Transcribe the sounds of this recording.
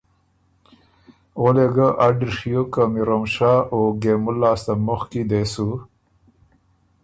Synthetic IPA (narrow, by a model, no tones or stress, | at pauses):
oleɡəʔaɖɾʂijokəmiɾomʂaoɡemulːaːst̪amʊxkid̪esu